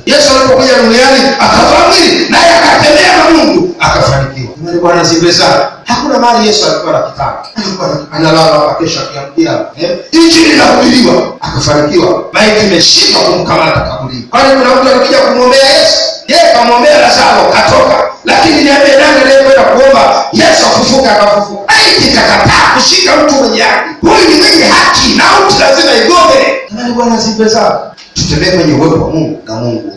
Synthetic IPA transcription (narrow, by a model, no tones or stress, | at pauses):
jɛsualipɔkuʄaɗunijaniakavaviɾinajɛakapɛmɛamamuŋduakafanikiwamaniɓwanaɛzibɛzanahakunamaːnijɛsualikuwanakita̰naalikuanaanalamaakakɛʃakuamukiaɛid͡ʒiɾinahuɓiɾiwaakafanikiwamaɛtimɛʃimakum̩kamatakaɓuliukwanikunam̩tualikuʄakumwɔmbɛajɛsu̥jɛjɛkamuɔmbɛalazalɔkatɔkalakininiambɛnaŋɡɛɾɛɛkwɛndakuɔmbajɛsuafufukaːkafufukaaitikakataːkuʃikam̩tumɛɲɛhakihujinimɛɲɛhakinautilazimaiɡɔmɛamaniɓwanasibɛza | tutɛmbɛɛmwɛɲɛwɔwa̰muŋɡunamuŋɡu